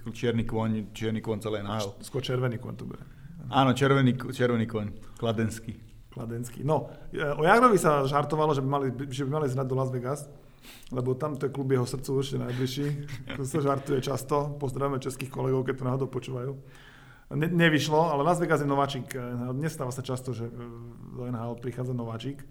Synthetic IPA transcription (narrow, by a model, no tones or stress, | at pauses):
t͡ʃɪɛɾnikɔɲt͡ʃɪɛɾnikɔɲt͡sɛlɛːnaɦɛlskwɔɾt͡ʃɛɾʋɛniːkɔ̰ɲt̪ɔbɛ̰ɛ̰ | aːnɔt͡ʃɛɾʋɛnikt͡ʃɛɾʋɛniːkɔɲklad̪ɛnski | klad̪ɛnskḭnɔɔjaɡɾɔʋisaʒaɾt̪ɔʋalɔʒɛbimalibiʒɛbimalizɾad̪d̪ɔlazʋɛɡas | lɛbɔt̪amt̪ɔjɛklubjɛɦɔsr̩t̪t͡suɔrt͡ʃcɛnajbliʃiːksaʒaɾt̪ujɛt͡ʃast̪ɔpɔzd̪ɾaʋamɛt͡ʃɛskiːxkɔlɛɡɔʊkɛc̚t̪ɔnaːɦɔd̪ɔʊpɔt͡ʃuːʋajuː | ɲɛɲɛʋiʃlɔalɛlazʋɛɡazjɛnɔʋaːt͡ʃiːkɛnɦaːɲɛst̪aːʋasat͡ʃast̪ɔʒɛd̪ɔɛnɦaːɔt̪pɾixaːd͡zanɔʋaːt͡ʃik